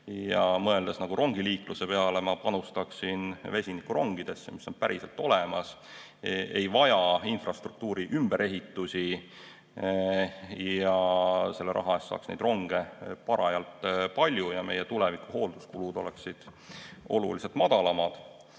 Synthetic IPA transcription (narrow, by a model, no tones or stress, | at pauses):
jɑmɤ̞e̞ld̪̥esnɑɡ̥uɾʔo̞ŋɡiliːkluse̞pe̞ɑle̞mɑpɑnust̪ɑksinve̞sʲinikuɾo̞ŋɡ̥id̪̥e̞sːemisːo̞npæɾʔiselt̪ːˑo̞lemɑs | ejvɑjɑinfrɑst̪ruk̚t̪uːɾiʔymb̥e̞ɾʔe̞ɦit̪ːˑusʲi | jɑse̞lːeɾʔɑ̰ɦɑesːɑ̰ːksnejd̪ro̞ŋɡ̥e̞pɑɾɑjɑlt̪ˑpɑlʲjujɑme̞je̞t̪ule̞vikːˑuho̞ːld̪̥uskulud̪o̞leksid̪̥ | o̞̰lṵlise̞lt̪mɑd̪̥ɑlɑmɑd̪̥